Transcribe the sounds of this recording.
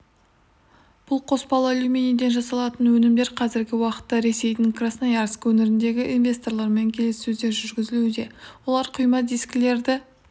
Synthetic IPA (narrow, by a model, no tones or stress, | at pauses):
b̥ʊlˠqʰo̞spɑlˠəolˠumʲenid̪e̞nʒɑsɑlˠɑt̪ənwɵnɪmd̪e̞ɾqʰɑzɪɾɡʲɪwɑqə̥t̪ːɑɾe̞se̞jd̪ɪŋkrasnɑjɑɾskwɵnɪɾɪnd̪e̞ɡʲɪʔinvʲe̞st̪o̞rlˠɑɾme̞ŋkʲʰe̞lɪsɵzd̪e̞ɾʒʏɾɡʲɪzɪlud̪e̞wo̞lˠɑɾqʰʊjmɑd̪iskʲle̞ɾd̪ɪ